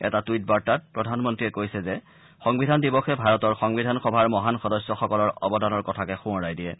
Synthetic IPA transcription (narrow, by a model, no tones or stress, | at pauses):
ɛ̰tatujt̚baɹtat̚pɹɔdʱanmɔntɹiɛkojsɛzɛ | xɔŋbidʱandibɔxɛbʱaɹɔtɔɹxɔŋbidʱanxɔbʱaɹmɔɦanxɔdɔsjɔxɔkɔlɔɹɔbɔdanɔɹkɔtʰakɛxʊ̃ɔɹajdiɛ